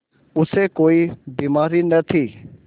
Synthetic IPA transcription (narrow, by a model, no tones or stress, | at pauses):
ʊsekoːibiːmaːɾinɐt̪ʰiː